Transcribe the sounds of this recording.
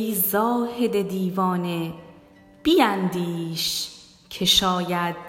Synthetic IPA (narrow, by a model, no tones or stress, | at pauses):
iːzɒːhed̪e̞d̪iːvɒːne̞ | b̥ijænd̪iːʃ | kʰe̞ʃɒːjæd̪̥̚